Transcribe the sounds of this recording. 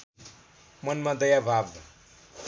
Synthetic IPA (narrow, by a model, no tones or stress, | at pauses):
mʌnmad̪ʌjabʱab